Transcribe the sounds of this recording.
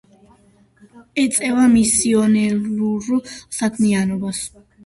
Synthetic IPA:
ɛt̪sʼɛvamisiɔnɛluɾusakʰmianɔbas

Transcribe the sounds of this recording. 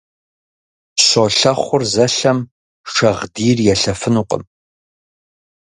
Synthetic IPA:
ɕoɬɐχʷʊrzɐɬɐm | ʂɐʁdiːrjɛɬɐfɨnuqʼə̰m

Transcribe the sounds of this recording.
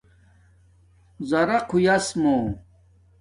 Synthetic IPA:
zɐɾɐqʰujɐsmo

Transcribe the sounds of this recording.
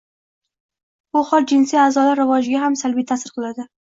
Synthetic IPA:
bʊχɒlˠd͡ʒɪnsijazɒlaɾːɪvɒd͡ʒɪɡʲaɦamsalbijt̪ʰasɪɾqʰɨlˠad̪ɪ

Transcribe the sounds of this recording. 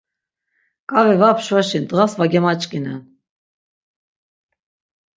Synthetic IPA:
kʼavɛvapʰʃvaʃint̪əʁasvaɡɛmat͡ʃʼkʼinɛn

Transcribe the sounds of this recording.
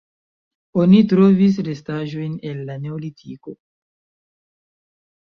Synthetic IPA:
onitɾo̞vis̬ɾe̞staʒo̞jne̞nːane̞olitʰiko̞

